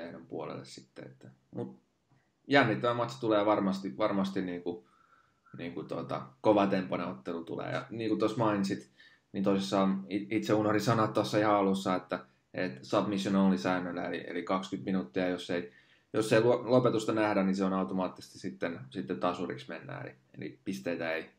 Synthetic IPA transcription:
enompṵolḛlːḛssi̥t̪ːeḛt̪ːæ | mut̪̚ | jænːit̪ːæmæmɑt̪si̥t̪uleːɑʋɑrmɑst̪iʋɑrmɑst̪inniːŋku | niːŋkut̪o̰t̪ɑ̰koʋɑt̪empːɑneot̪ːelut̪ṵlḛːjɑ̰niːŋkut̪osmɑːnnsit̪ | nint̪oˑisesːɑːmiit̪seunorisɑnot̪t̪ːosːɑihɑɑlusːɑet̪ːæ | et̪sɑb̥misjonolisæynːølːæ̰ḛlḭḛlikɑkskyt̪minut̪ːiɑjosːei | josːeilulopet̪ust̪ɑnæhdænniseonɑut̪omɑːt̪ːise̥st̪isit̪ːensit̪ːet̪ɑsurḭksmenːæ̰ḛlḭ | ḛlḭpist̪eit̪æei

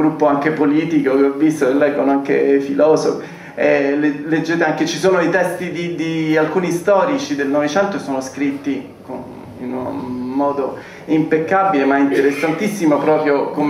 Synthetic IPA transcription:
ɡɾupːoaŋkepoliːt̪ikokeɔvːist̪oelːɛːɡonoaŋkḛfilɔːso̰f | ɛleled͡ʒːeːt̪eaŋket͡ʃisoːnoeit̪ɛst̪id̪id̪ialkuːnist̪ɔːɾit͡ʃid̪elnɔvet͡ʃɛnt̪osoːnoskɾit̪ːi | ko | ḭnunmɔːd̪o | impekːabilemaint̪eɾesːant̪isːimopɾɔːpɾjokom

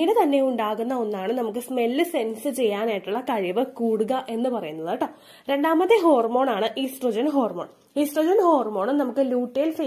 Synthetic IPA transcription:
inet̪ɐnːe̞uɳɖaːɣunːɐo̞nːaːɳɨnɐmuk̬ːɨsme̞lːɨse̞nsɨt͡ɕe̞jːaːnaːjiʈːuɭːɐkɐɻiʋɨkuːɽuɣɐʔe̞nːɨpɐrɐjunːɐðaːʈːɐ | ɾe̞ɳɖaːmɐðeɦo̞ːrmo̞ːɳaːɳɨʔisʈrod͡ʑɐnɦo̞ːrmoːɳ | iːsʈroːd͡ʑɐnho̞ːrmo̞ːɳɨnɐmukːɨluːʈːeːlse

